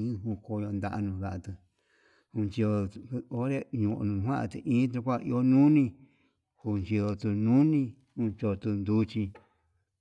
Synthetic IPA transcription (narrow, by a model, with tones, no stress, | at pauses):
ĩ˦ɦũ˧ko˧˨˧jo˧nd̪a˧ʔa˧nũ˧˨βa˧ʔt̪ɨ˧ | hũ˧nt͡ʃi˧o˧o˦ɾe˦ɲũ˧ʔnũ˨˧hã˦ʔã˧t̪ɨ˧ʔĩː˦t̪̬e˧kʷa˦˧ʔḭ˧o˦nũ˦nĩ˧ | hu˧nt͡ʃi˧ðo˧t̪u˧nũ˦nĩ˦˧ | hũ˧t͡ʃo˧t̪u˧nd̪u˦t͡ʃĩ˧